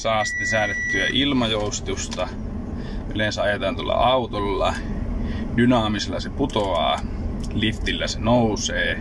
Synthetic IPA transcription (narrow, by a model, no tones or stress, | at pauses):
sɑːsi̥t̪ːesæːlet̪ːyæʔilmɑjoust̪iust̪ɑ | ylensæɑjet̪ɑˑnt̪uo̰lːɑ̰ɑut̪olːɑ | dynɑːmiselːɑseput̪oɑ̰ː | lit̪ːilːæsenouseː